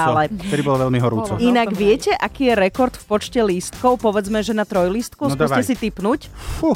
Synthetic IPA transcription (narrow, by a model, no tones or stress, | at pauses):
alɛɛd̪ibɔlɔʋɛlmiɦɔɾuːt͡sɔinaɡʋɪɛcɛʔakiːjɛɾɛkɔɾt̪fpɔt͡ʃcɛlist̪kɔʊpɔʋɛd͡zmɛʒɛnat̪ɾɔjlist̪kusk̪ːsaɛsit̪ipnucfu